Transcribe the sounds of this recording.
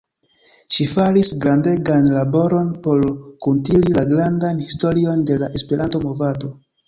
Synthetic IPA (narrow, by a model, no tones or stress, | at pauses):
ʃifaɾisɡɾande̞ɡanlabo̞ɾo̞npo̞ɾkuntililaɡɾandanhisto̞ɾio̞nde̞laʔe̞spe̞ɾʔanto̞mo̞vado̞